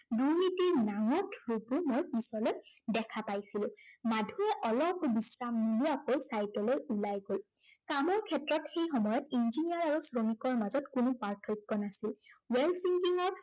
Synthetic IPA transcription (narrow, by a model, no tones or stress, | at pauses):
duɹnitiɹnaŋɔtʰɹutʊmojpisɔlojdɛkʰapajsilʊ̃madʱuɛʔɔlɔpbisɹamnuluakojsajtɔlojulajɡolkamɔɹkʰɛtɹɔtxejxɔmɔjɔtinziniaɹaɹusɹomikɔɹmazɔtkʊnupaɹtʰɔjkːɔnasilwɛlsiŋkiŋɔɹ